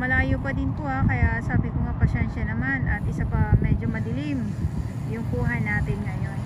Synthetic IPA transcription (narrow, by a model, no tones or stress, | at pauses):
mɐlaːjopɐd̪ɪnpohakɐjasaːbɪkoŋɐpɐʃɛnʃɐnɐmanʔɐt̪̚ʔɪsapɐmɛːd͡ʒo̞mɐd̪ɪlim | jʊŋpuːɦɐjnaːt̪ɪnŋɐjo̞n